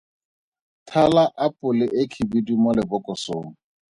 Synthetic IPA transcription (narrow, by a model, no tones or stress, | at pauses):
tʰalaʔapʼʊlɪʔɪkʰibidimʊlɪbʊkʼɔsoːŋ̩